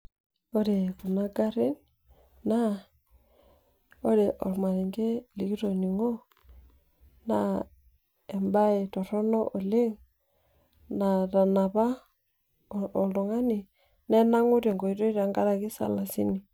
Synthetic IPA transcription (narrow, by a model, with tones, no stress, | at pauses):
o˦ɾe˨ku˨na˦ɡa˦ɾi˦n | na˦ | o˦ɾe˨ʔɔ̰˨lma˨ɾi˨ŋɡe˦li˨ki˦ɾo˨ni˨ŋo˦ | na˦ | e˨mba˦e˨tɔ˨ɾɔ˦nɔ˦ʔo˨le˦ŋ | na˨ɾa˨na˨βa˦˨ | o˨ldo˨ŋa˦ni˨ | ne˦na˦ŋu˦ɾe˨ŋɡo˨i˦ɾo˦i˦ɾa˨ŋɡa˦ɾa˨ki˦sa̰˨la˨si˦ni˨